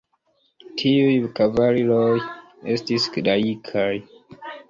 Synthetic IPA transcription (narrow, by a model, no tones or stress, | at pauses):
tʰiujkavaliloj | estiskdaikʰaj